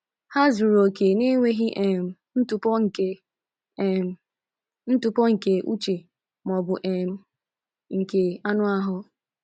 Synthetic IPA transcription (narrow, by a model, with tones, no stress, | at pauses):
ha˦zu˨ɾo˨ke˨ne˦ŋʷe˦ɦi˦ʔe˨m̩˨ | n̩˦tʊ˨pɔ˦ŋ̩˨ke˦˨ | n̩˦tʊ˨pɔ˦ŋ̩˨ke˨ʔu˦t͡ʃe˨ | mɔ˨bʊ˨ʔe˨m̩˦ | ŋ̩˨ke˨a˦nʊ˦a˦ɦʊ˦